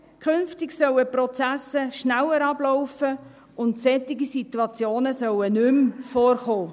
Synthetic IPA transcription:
kʰʏnftɪɡsœwəpɾɔt͡sæsəʃnæwəɾɑb̥lɔʊfə | ʊntsɛt̪ɪɡisituɑt͡sjoːnəsœwənʏmfoːrχoː

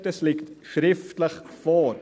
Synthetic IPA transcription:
t̪əslɪkt̪ʃɾɪft̪ləx | fɔːɾ

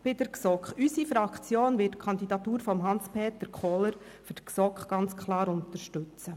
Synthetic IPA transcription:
b̥ɪdəɾksɔkχysifɾɑkt͡sjoːnvɪtkʰɑnd̪idɑt̪uːɾfɔmɦɑnspʰeːt̪əɾkχɔːləɾ | fydksɔkχɡ̥ɑnt͡skʰlɑːɾʊnt̪əɾʃtʉt͡st͡sə

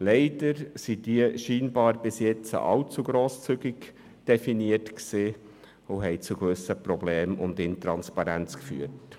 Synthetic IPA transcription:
lɛɪdəɾsid̥iəʃiːnbɑːɾbɪsjɛt͡sə̰ʔɑwt͡suɡɾoːst͡syɡɪk | d̥ɛfiniətksiː | ʊɦɛjt͡suɡʋʏsəprɔbleːmʊ̰ndɪntɾɑnspɑɾænt͡skfy̰ːət

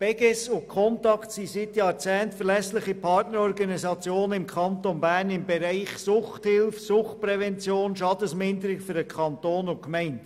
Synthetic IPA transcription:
b̥ɛɡɛsʊkʰɔntɑktsisɪtjɑːɾt͡sɛːntfəlɛslɪχipʰɑɾtnəɾɔɾɡɑnisɑt͡sjoːnəɪmkʰɑnt̪onbæːɾnɪmbɛɾaɪχsʊχthɪlfsʊχt̚pɾɛvɛnt͡sjoːnʃɑdəsmɪndəɾɪɡfʏɾəkʰɑnt̪oːnʊnkmɛɪnt

